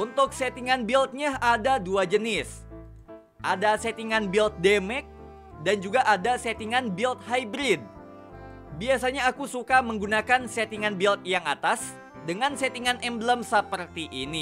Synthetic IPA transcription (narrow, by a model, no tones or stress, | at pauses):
ʔunt̪ʊk̚set̪iŋanbilt̪̚ɲaadaduad͡ʒənɪs | ʔadaset̪iŋanbilt̪̚demɛk̚ | dand͡ʒuɡaʔadaset̪iŋanbilt̪̚hajbɾɪd̚ | biasaɲaːkusukaməŋɡunakanset̪iŋanbilt̪̚jaŋat̪as | dəŋansɛt̪iŋanʔɛmbələmsəpərt̪iʔini